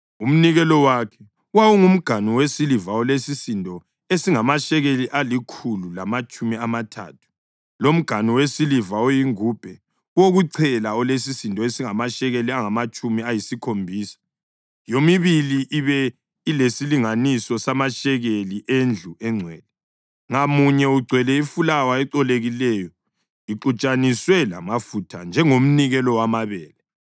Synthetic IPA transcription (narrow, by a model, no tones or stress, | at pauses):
um̩niɣɛlɔwakʰɛ̥ | wawuŋum̩ɡ̥ʱaniwesilivaɔlesisintʼɔ | esiŋamaʃɛɣeliʔalikʰululamat͡ʃʼumiamatʰa̰ːtʰu̥ | lom̩ɡ̥ʱaniwesilivaojiŋuːb̥ʱɛ | woɣuǀʰɛlaɔles̬isintʼɔesiŋamaʃɛɣeliaŋamat͡ʃʼumiajisikʰombʱiːsḁ | jomiβiliʔiβɛ | ilesiliŋanisɔsamaʃɛɣeliʔend͡ɮʱuɛŋ͡ǀʱwɛːlɛ | ŋamuɲɛuɡ͡ǀʱwɛlɛifulawaɛǃɔleɣilɛjɔ | iǃut͡ʃʼaniswɛla̰mafutʰand͡ʒʱɛŋom̩niɣɛlɔwamaβɛːlɛ